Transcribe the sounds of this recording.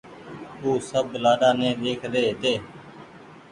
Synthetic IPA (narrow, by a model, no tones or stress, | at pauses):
uːsəblaːɗaːnẽːd̪eːkʰd̪eːt̪eː